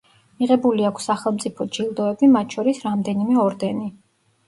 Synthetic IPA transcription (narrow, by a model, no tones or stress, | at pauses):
miʁɛbuliakʷʰsːaχɛlˠmt̪sʼipʰɔd͡ʒilˠd̪ɔɛbimat̪̚ʰʃʰɔɾisɾamd̪ɛnimɛɔɾd̪ɛni